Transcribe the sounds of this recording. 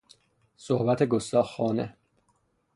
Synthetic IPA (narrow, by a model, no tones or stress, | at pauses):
sohbæt̪ʰeɡost̪ɒːxɒːnḛ